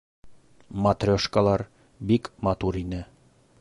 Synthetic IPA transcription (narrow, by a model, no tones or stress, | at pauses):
mɑt̪rʲoʃkɑlˠɑɾ | bikmɑt̪uɾinɘ